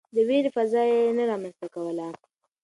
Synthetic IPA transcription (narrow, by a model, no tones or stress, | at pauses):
d̪əweɾfazɑjenaɾɑmanst̪akawəla